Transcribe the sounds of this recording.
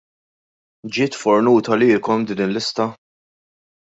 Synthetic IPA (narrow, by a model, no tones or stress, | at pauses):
d͡ʒɪːt̪fɔɾnuːt̪ɐlɪːkɔmd̪iːnɪlːɪst̪ɐ